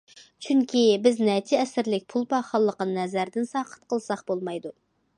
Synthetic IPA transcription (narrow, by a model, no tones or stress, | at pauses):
t͡ʃʰyŋkʲibɪznɛt͡ʃʰɪɛsɪɾlɪk̚ʲpʰulˠpɑχɑlˠːəqənɨnɛzæɾd̪ɪnsɑːqʰə̥t̪̚qʰəlˠsɑχbolˠmɑjd̪u